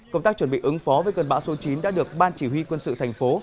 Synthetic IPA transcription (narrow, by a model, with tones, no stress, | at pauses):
kkə˧wŋ͡mt̪aː˦˥k̚t͡ɕwə˧˩nɓḭ˧˨ʔɨ˨˦ŋfɔ˨˦vəː˨˦jkə˨˩nɓa̰ː˧˥wso˨˦t͡ɕi˨˦nɗa̰ː˧˥ɗɨ˨˩ək̚ɓaː˧nt͡ɕi˧˩wi˧kwə˧nsɨ̰˧˨t̪ʰɛ˨˩jŋ̟fo˨˦